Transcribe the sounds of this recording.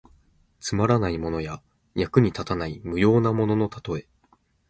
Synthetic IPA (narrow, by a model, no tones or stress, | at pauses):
t͡sɨmaɾanaimo̞no̞ja | jakɯ̟ɲ̟it̪at̪anaimɯ̟jo̞ːnamo̞no̞no̞t̪ḁt̪o̞e̞